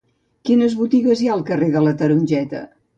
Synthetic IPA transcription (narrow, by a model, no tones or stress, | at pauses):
kinəzβut̪iɣəzjaəlˠkəreðələt̪əɾunʲʒɛt̪ə̰